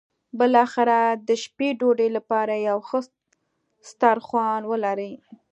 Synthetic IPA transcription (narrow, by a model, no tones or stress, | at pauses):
bəlɑxɪɾad̪əʃpeɖoɖelapɑɾajawxə | st̪ɑɾxwɑnwəlaɾəj